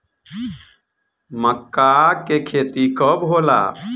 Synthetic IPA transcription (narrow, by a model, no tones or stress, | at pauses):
məkːakekʰeːt̪ikəbɦoːla̰